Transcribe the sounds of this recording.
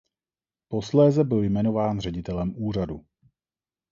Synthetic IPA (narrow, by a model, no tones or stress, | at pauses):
po̞slɛːzɛbɪljmɛno̞vaːnrɛɟɪt̪ɛlɛmʔuːr̝adṵ